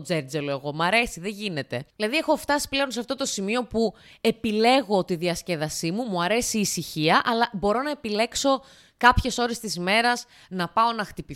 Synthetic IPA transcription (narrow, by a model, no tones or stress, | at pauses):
d͡zeɾd͡zelo̞e̞ɣo̞mɐɾe̞siðeʝine̞t̪e̞ðilɐðiexo̞ft̪ɐsi̥ple̞o̞nseɐft̪o̞t̪osimio̞pu | e̞pile̞ɣo̞t̪iðiɐsceðɐsimumuɐɾe̞siːsiçiɐʔɐlɐbo̞ɾo̞nɐe̞pile̞kso̞ | kɐpçe̞so̞ɾest̪izme̞ɾɐz | nɐpɐo̞nɐxt̪ipi